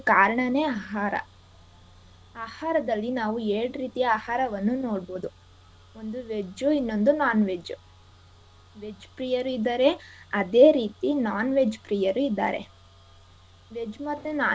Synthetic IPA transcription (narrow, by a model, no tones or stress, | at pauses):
kaːɾɐɳɐneːaːɦaːɾɐ̰ | aːhaːɾɐd̪ɐlːinaːʋueːɽɾiːt̪ijɐaːhaːɾɐʋɐnːuno̞ːɽboːd̪u | o̞nd̪uʋed͡ʒuinːo̞nd̪unaːnʋeːd͡ʒu | ʋed͡ʒpɾiːjɐɾuid̪ːɐɾe̞ɐd̪eːɾiːt̪inaːnʋe̞ːd͡ʒpɾiːjɐɾuid̪ːa̰ːɾe̞̰ | ʋed͡ʒumɐt̪ːenaː